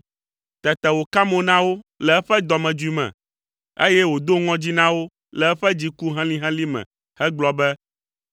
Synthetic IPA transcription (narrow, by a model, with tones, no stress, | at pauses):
t̪ɛ˨t̪ɛ˨wo˨ka˦mõ˨˦nã˦wo˦lɛ˨ɛ˦ɸɛ˦d̪ɔ˨mɛ̃˨d͡ʒu˦i˨˦mɛ̰̃˨ | e˦jɛ˦wo˨d̪o˦ŋɔ̃˦d͡ʑi˦nã˦wo˦ | lɛ˨ɛ˦ɸɛ˦d͡ʑi˦ku˦ɦɛ̃˦lĩ˦ɦɛ̃˦li˦mɛ̰̃˨ | hɛ˦ɡ͡blɔ˦bɛ˦